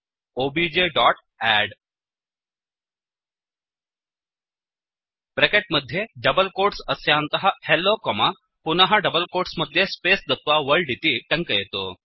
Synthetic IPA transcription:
obid͡ʑeɖɔʈ | æɽ | pɾekeʈ̚məd̪ʱːjeɖəbəlkoʈsəsjant̪əɦahelːokɔma | punaɦaɖəbəlkoʈsməd̪ʱːjespesd̪ət̪ʋaʋəɭɖit̪iːʈəŋkəjet̪o

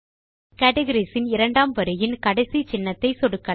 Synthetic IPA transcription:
kaːʈɐɣɐɾisɪnɪɾɐɳɖaːmʋɐɾɯjɪnkɐɽɐɪsit͡ʃɪnːɐt̪ːɐɪsɔɽɯkːɐ

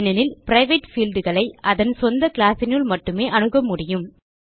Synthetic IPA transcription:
nɐnɪlpɪɾɐɪʋeʈfiːlɖɯɣɐɭɐɪʔɐðɐnsɔnd̪ɐkɪɭaːsɪnɯɭmɐʈːɯmeːʔɐɳɯɣɐmːʊɽɪjɯm

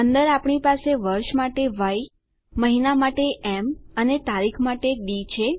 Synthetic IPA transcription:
ənd̪əɾapɳipaseʋəɾʃmaʈeʋaj | məɦinamaʈeemənet̪aɾikʰmaʈeɖit͡ʃʰe

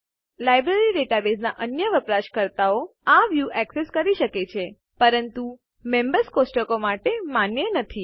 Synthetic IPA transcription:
lajbɾeɾiɖeʈabeznaʔənjəʋəpɾaʃkəɾt̪aoaʋjuʔɛkseskəɾiʃəket͡ʃʰe | pəɾənt̪u | membəɾskosʈəkomaʈemanjənət̪ʰi

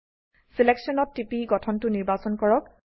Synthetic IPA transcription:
sileksɔnɔtːipiɡɔtʰɔntʊniɹbasɔnkɔɹɔk̚

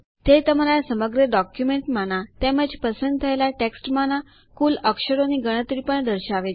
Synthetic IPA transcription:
t̪et̪əmaɾasəməɡɾəɖɔkjumeɳʈmañat̪ɛməd͡ʑepəsənd̪̚t̪ʰəjlaʈeksʈmaña | kuːləkɕəɾoniɡəɽ̃ət̪ɾiːpəɳd̪əɾɕaʋe

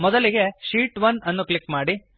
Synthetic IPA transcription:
mɔd̪ɐliɡe̞ʃiːʈʋɐnɐnːuklikmaːɽi

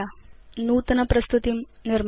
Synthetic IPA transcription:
anuːt̪nɐpɾɐst̪ut̪imniɾm

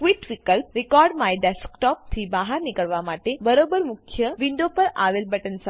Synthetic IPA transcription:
kʋiʈʋikəlp̚ɾikɔɾɖmajɖɛskʈɔp̚t̪ʰiːbaɦaɾnikəɭʋamaʈebəɾobəɾmukʰjəʋiɳɖopəɾaʋelbəʈənsa

